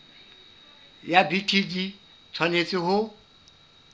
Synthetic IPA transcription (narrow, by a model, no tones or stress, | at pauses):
jabitʰid͡ʒi | t͡sʰwanet͡sʼɪhʊ